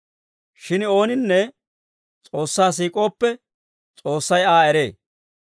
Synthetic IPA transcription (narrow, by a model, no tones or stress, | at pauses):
ʃɪno̞ːnɪnːɛ | t͡sʼo̞ːsːaːs̬iːkʼo̞ːpːɛ | t͡sʼo̞ːsːɐjaːɛɾeː